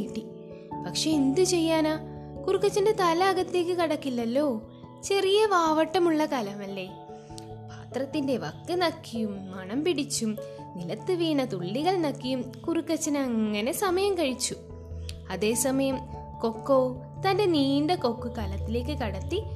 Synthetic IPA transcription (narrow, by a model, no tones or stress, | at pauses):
ʈːi | pɐkʂe̞end̪ɨt͡ɕe̞jːaːnaːkurukːɐt͡ɕːɐnde̞t̪ɐlɐːɣɐt̪ːile̞ːk̬ːɨkɐɽɐkːilːɐlːo̞ː | t͡ɕe̞rijɐʋaːʋɐʈːɐmuɭːɐkɐlɐmɐlːe̞ | paːt̪rɐt̪ːinde̞ʋɐkːɨnɐkːijumːɐɳɐmpiɽit͡ɕːum | nilɐt̪ːɨʋiːɳɐt̪uɭːiɣɐɭnɐkːijumkurukːɐt͡ɕːɐnɐŋːɐne̞sɐmɐjɐmkɐɻit͡ɕːu | ɐðe̞ːsɐmɐjɐm | ko̞kːoː | t̪ɐnde̞niːndɐko̞kːukɐlɐt̪ːile̞ːkːɨkɐɽɐt̪ːi